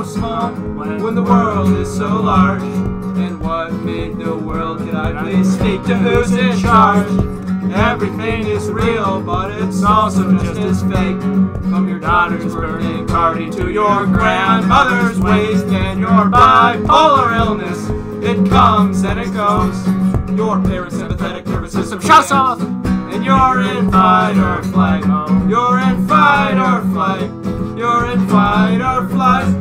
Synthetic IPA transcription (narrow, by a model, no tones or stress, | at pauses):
smɔlˠ | wə̃nðəwɜ˞lˠdɪz̥soʊlɑɹd͡ʒ | ɨ̃nwʌt̚mɪ̃n̚ðəwɜ˞lˠd̚kʰɨ̃ɾaɪlistik̚tʰɨʉzɪt͡ʃɑɹd͡ʒ | ɛvɹiθɪ̃ŋɪzɹilˠbʌɾɪtsɔlˠsə̃mɨstɪz̥feɪk | kʰʌ̃mjə˞dɔɾə˞zwə˞ɪ̃npʰɑɹɾiɾɨjə˞ɡɹæ̃nmʌðə˞zweɪstɨ̃njə˞aɪpʰʌlˠə˞ɪlˠnɨs | ɪt̚kʰʌ̃mzɨ̃nɨt̚ɡ̥oʊzjə˞ðə˞ɨsɪ̃mpɨθɛɾɨk̚ðə˞pɨsɪ̃sʌ̃ʃʌsɔθɨ̃njə˞ɪ̃nfaɪɾə˞flaɪɾjə˞ɪ̃nfaɪɾə˞flaɪkjə˞ɪ̃nfaɪɾə˞flaɪ